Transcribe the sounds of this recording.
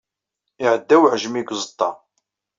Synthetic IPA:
ɪʕəd̪ːæwʕʒmiɡʷzˤət̪ˤːɑ

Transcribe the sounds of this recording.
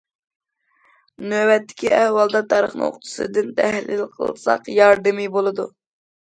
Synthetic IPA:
nøbɛt̪ːɪ̥kʲiɛhwɑlˠd̪ɑt̪ʰɑːɾəχnɨ̰o̰qt̪ʰʊ̥sɨ̰d̪ɨnt̪ʰæhlɪ̰lqʰəlˠsɑ̰qjɑɾd̪ɨmibolˠɨd̪u

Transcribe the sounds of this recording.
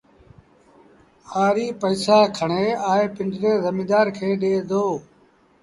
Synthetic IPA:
aːɾiːpəːsaːkʰəɳeːaːeːpɪ̃ɳɖɾeːzəmiːd̪aːɾkʰeːɗeːd̪oː

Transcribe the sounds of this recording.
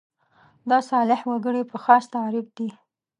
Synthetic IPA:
d̪ɑsɑlɪhwaɡəɽipəxɑst̪aɾɪb̚d̪i

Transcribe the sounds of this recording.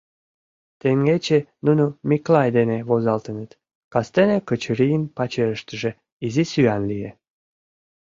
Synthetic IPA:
t̪eŋɡet͡ɕenunomiklɑjd̪eneβozɑlt̪ənət̪ | kɑst̪enekət͡ɕəɾijənpɑt͡ɕeɾəʃt̪əʒĕ | izisyɑnlije

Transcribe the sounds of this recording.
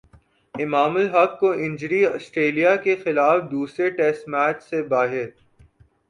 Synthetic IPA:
ɪmaːməlɦɐkːoʔɪ̃ɲd͡ʒəɾiɔːsʈɾeːlijakexɪlaːfd̪uːsɾeʈɛsʈmæːt͡ʃsebaːɦɪɾ

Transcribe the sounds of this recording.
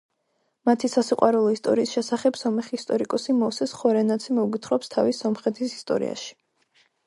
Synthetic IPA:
mat̪ʰisasiqʼwaɾɛlˠɔist̪ʼɔ̰ɾiːsʃɛsaχɛbsɔmɛχist̪ʼɔɾikʼɔsimɔfsɛsχɔɾɛnat̪sʰimɔuɡit̪ʰχɾɔpst̪ʰavisɔmχɛt̪ʰisi̥st̪ʼɔ̰ɾḭa̰ʃi̥

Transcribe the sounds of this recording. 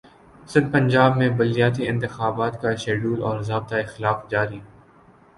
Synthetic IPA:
sɪ̃nd̪̚pɐ̃ɲd͡ʒaːbmẽbʊlijaːt̪̬iɪ̃nt̪ɪxaːbaːt̪kaʃeːɖuːlɔːɾzaːb̚t̪aexɪlaːfd͡ʒaːɾi

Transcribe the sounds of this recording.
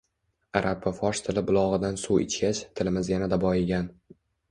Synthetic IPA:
aɾʔapːafɒʃt̪ʰɪlɪbʊlˠɒʁɨd̪ansuwɪ̰t͡ʃkʲat͡ʃt̪ʰɪlɪmɪzjanad̪abɒɪɡʲan

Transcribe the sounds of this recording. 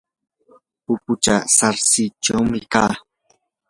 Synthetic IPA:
pʊpʊt͡ʃasaɾsɪt͡ʃawmɪkaː

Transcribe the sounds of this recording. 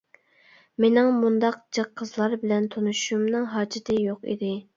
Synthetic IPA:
menɪŋmund̪ɑq̚d͡ʒɑqʰːəzlˠɑɾbɪlɛnt̪ʰonuʃumnɨŋɦɑːd͡ʒɪt̪ʰɪjoqḭd̪ɪ

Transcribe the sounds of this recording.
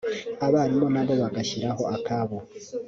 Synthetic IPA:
aβaɾimo̞naβo̞βaɡaçiɾaɦo̞akaβo

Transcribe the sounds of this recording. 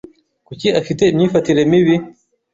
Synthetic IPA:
kuciʔafitemɲifɐtiɾemiβi

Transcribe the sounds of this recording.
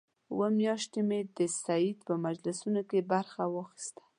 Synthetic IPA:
wəmjɑʃt̪emed̪əsaid̪pəmad͡ʒlɪsunokebaɾxawɑxi̥st̪ḁ

